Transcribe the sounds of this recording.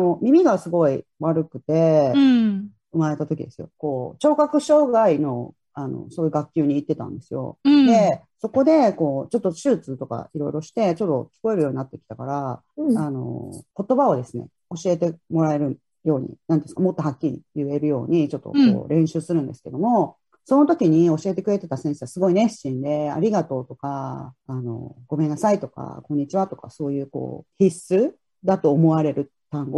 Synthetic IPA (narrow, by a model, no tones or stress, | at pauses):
omʲimʲiɡasɨɡo̞iβaɾɯ̟kɯ̟̥t̪e̞ | ɯ̟maɾe̞t̪at̪o̞kʲid̪e̞sɨjo̞̰ko̞ːt͡ɕo̞ːkakɯ̟ɕo̞ːɡaino̞ | ano̞̰soːjɯ̟ɡakʲːɨːɲ̟iːt̪ːe̞t̪ã̰nd̪e̞sɨjo̞̰d̪e̞ | so̞ko̞d̪e̞ko̞ːt͡ɕo̞t̪ːo̞ɕɨːt͡sɨːt̪o̞ka̰iɾo̞iɾo̞ɕi̥t̪e̞t͡ɕo̞t̪ːo̞̰kʲi̥ko̞e̞ɾɯ̟jo̞ːɲ̟inat̪ːe̞kʲi̥t̪akaɾa | ano̞̰ko̞t̪o̞bao̞d̪e̞sɨne̞̰ | o̞ɕie̞t̪e̞mo̞ɾae̞ɾɯ̟ | jo̞ːɲ̟ḭnãnt̪e̥sɨ̥kamo̞t̪ːoɦakʲːiɾʲḭjɯ̟e̞ɾɯ̟jo̞ːɲ̟it͡ɕo̞t̪ːo̰ko̰ːɾʔẽ̞ɰ̃ɕɨːsɨɾɯ̟̃nd̪e̞sɨ̥ke̞̰d̪o̞mo̞ | so̞not̪o̞kʲiɲ̟io̞ɕie̞t̪ekɯ̟ɾe̞t̪e̞t̪asẽse̞sɨɡo̞ine̥ɕĩnd̪e̞a̰ɾʲiɡat̪o̞ːt̪o̞kaːno̞̰ɡo̞me̞nːasait̪o̞ka̰kõ̞ɲ̟ːit͡ɕiβat̪o̞̥ka̰so̞ːjɯ̟ːko̰ːçʲisɨ | d̪at̪o̞ːmo̞aɾe̞ɾɯ̟ | t̪ãŋɡo